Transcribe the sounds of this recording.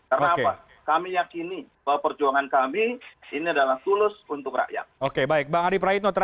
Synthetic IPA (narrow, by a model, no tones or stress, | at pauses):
karnaːkepa | kamijakinibəwapərd͡ʒuaŋankamiiniadalaht̪ulʊsunt̪ʊkɾa̰ʔja̰okebaɪk̚baŋadipɾaɪt̪nɔt̪əɾ